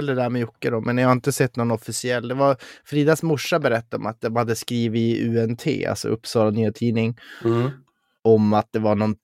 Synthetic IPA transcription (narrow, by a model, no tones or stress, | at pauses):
ɛld̪əd̪æːɾmɛjʊkːəɾɔmʔɛnjɑhaɪnt̪əsɛt̪ːnɔnɔfɪsɪɛlːd̪ɛvafɾiːd̪asmʊʂːabɛɾɛt̪ːaɾɔmat̪̚d̪ɛmhad̪ːəskɾiːvɪʔʉːɛnt̪ʰḛːa̰lsɔ̰ʔɵpːsɑːlanyːat̪ʰiːnɪŋ | ɔmat̪̚d̪ɛvaɳɔn